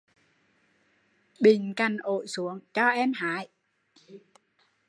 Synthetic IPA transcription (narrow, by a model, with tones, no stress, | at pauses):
ɓï˧˩ŋ̟ka̰˨˧˩jŋ̟ʔo̰˧˨jsu˨˦əŋt͡ɕɔ˧ʔɛ˧mɦaː˧˥˨j